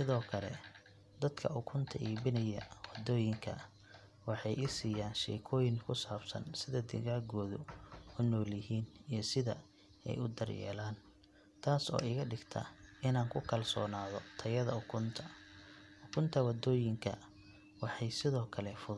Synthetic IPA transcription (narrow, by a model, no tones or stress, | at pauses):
sɪðɔːkʰɐlɛ̰ | d̪ɐd̪kʰɐ̰ʔʊkʰʊnt̪ʰɐʔiːbɪnɐjɐwɑd̪ɔːjɪŋkʰɐ̰ | wɑħɑjʔɪsiːjaːnʃɛ̰ːkʰɔːjɪŋkʰʊsaːbsɐ̰nsɪðɐd̪ɪ̰ɣaːɡɔːðʊʊnɔːljɪɦiːnijsɪðɐ̰ | ɛ̰jʊd̪ɐrjɛ̰ːlaːn | t̪ʰaːsɔ̰ːɪɣɐɖɪɡt̪ʰɐ̰ɪnaːŋkʰʊkʰɐlsɔ̰ːnaːðɔt̪ʰɐjɐðɐʊkʰʊnt̪ʰɐ | ʊkʰʊnt̪ʰɐwɐd̪ɔːjɪŋkʰɐ̰ | wɑħɑjsɪðɔːkʰɐlɛfʊð